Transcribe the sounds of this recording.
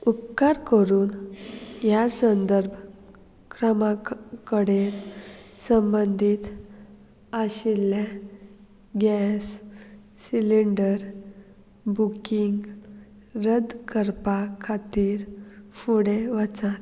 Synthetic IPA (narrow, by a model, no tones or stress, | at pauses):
upkaɾkəɾuːnjasənd̪əɾbʱ | kɾəmakəɽeɾsəmbənd̪ʱiːt̪ | aɕilːe | ɡɛsː | iliɳɖəɾ | bukiŋɡ | ɾəd̪kəɾpakʰat̪iːɾfuɽeʋat͡san